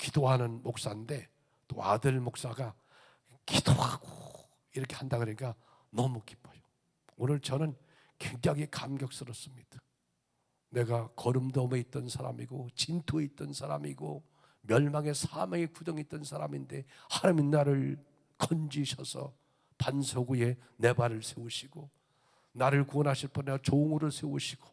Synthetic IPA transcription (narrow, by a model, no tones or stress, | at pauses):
kidoɦanɯnmok̚s͈ande̞ | t͈o̰adɯɭmok̚s͈aɡa | kid̥ohaɡo | iɾʌkʰe̞handaɡɯɾik͈a | nʌmuki̥p͈ʰʌjo̥ | onɯɭt͡ɕʌnɯn | kweŋd͡ʑaɡikamɡjʌk̚s͈ɯɾʌs͈ɯmɲid̥ḁ | ne̞ɡakʌɾɯmdʌme̞it̚t͈ʌnsʰaɾa̰miɡot͡ɕintʰoe̞it̚t͈ʌnsʰaɾa̰miɡo | mjʌɭmaŋe̞sʰameŋekudʌŋit̚t͈ʌnsʰaɾaminde̞haɾɯminːaɾɯɭ | kʰʌnd͡ʑiɕʰʌsʰʌ̰ | pansʰoɡuje̞ | ne̞baɾɯɭsʰeuɕʰiɡo | naɾɯɭkuʌnɦaɕʰiɭpʰʌnʌt͡ɕoŋɯɾɯɭsʰeuɕʰiɡ̥o̥